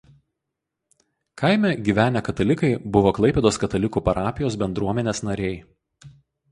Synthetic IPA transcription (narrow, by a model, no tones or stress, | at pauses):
kɐɪmʲɛɡʲiːʋʲæːnʲɛkɐt̪ɐlʲɪkɐɪbʊʋoːklˠɐɪpʲɛd̪oːskɐt̪ɐlʲɪkuːpɐɾɑːpʲɪjoːs̬bʲɛnd̪ɾuɔmʲɛnʲeːsnɐɾʲɛɪ